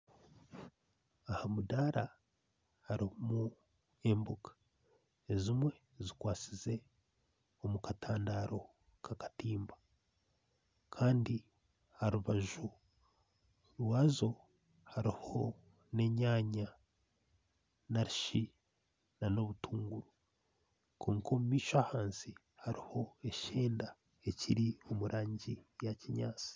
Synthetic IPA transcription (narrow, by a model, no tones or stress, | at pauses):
ahamudaɾa | haɾimu | e̞mbukḁ | ezimwe̞ | zikwaːt͡size̞ | omukataːndaːɾo̞ | kʰakḁtiːmba | kʰaːndi | haɾuβaʒu | ɾwaːzo̞ | haɾiho̞ | ne̞ɲaːɲa | naɾiʃi | nano̞βutuːŋɡuɾu | kʰoːŋkʰomumiːʃoahaːnsi | haɾiho̞e̞ʃeːnda | e̞ciɾio̞muɾʔaːɲɟijaciɲaːt͡si̥